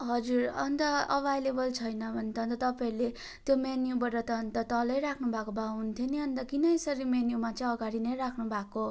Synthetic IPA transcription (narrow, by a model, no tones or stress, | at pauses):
ɦʌd͡zurʌnt̪ʌʌbʱajlebʌlt͡sʰʌjnʌbʱʌnt̪ʌnt̪ʌt̪ʌpaiɾle | t̪jomenjubʌɾʌt̪ʌːnt̪ʌt̪ʌlʌjɾakʰnubʱakobaunt̪ʰeniʌnd̪ʌkinʌesʌɾimenjumat͡sʌj̃ʌɡaɾinʌjɾakʰnubʱako